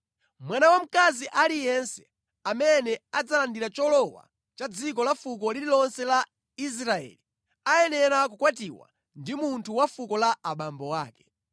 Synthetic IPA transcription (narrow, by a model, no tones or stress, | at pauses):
mwanawam̩kaziʔalijɛnsɛ̥ | amɛnɛad͡zalandiɾat͡ʃɔlɔwa̰ | t͡ʃad͡zikɔlafuk̬ɔlililɔnsɛla | is̬ɾaɛ̰li | ajɛnɛɾak̬ukwat̬iwa̰ | ndimuntʰuwafukɔlaaɓambɔwaːkɛ